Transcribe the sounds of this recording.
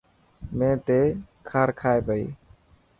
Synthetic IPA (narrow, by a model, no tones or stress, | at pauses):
mẽːt̪ekʰaːɾkʰaːjbəj